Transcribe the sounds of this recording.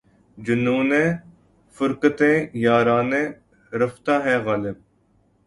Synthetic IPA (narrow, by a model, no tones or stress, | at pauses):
d͡ʒʊnuːnẽː | fʊɾkət̪ẽːjaːɾaːnẽː | ɾɐfʰt̪aːɦɛːɣaːlɪb̚